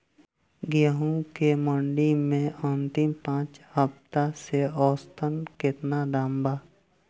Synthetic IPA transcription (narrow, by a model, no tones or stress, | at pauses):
ɡjəɦũkeməɳɖimẽə̃nt̪ɪmpãːt͡ʃhəpt̪aseɔːst̪ʰənkɪt̪nadãːmba